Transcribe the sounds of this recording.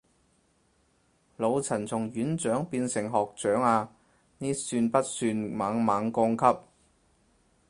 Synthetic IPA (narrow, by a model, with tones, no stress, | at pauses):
lo˨˧wt͡sʰɐ˨˩nt͡sʰʊ˨˩ŋjyː˨˥nt͡ʃœː˨˥ŋpiː˧nsɪ˨˩ŋɦɔː˨k̚t͡ʃœː˨˥ŋaː˧ | niː˥syː˧npɐ˥t̚syː˧nmaː˨˥ŋmaː˨˧ŋkɔː˥ŋkʰɐ˥p̚